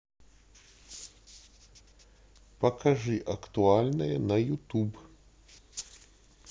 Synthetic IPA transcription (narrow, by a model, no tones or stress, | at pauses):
pɐkaʐɨʔɐkt̪ualʲnɐjɛnɐjut̪ub